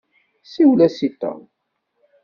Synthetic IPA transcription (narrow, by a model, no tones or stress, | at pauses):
siwlæsit̪ːɑ̰